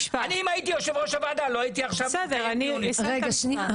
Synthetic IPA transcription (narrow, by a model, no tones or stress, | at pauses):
ʃvaniimait̪ijoʃevʁoʃavadaloait̪iaχʃavsedeʁanibesʁeɡaʃnia